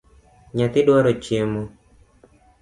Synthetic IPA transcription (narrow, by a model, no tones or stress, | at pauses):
ɲat̪ɪdwaɾɔt͡ʃjemo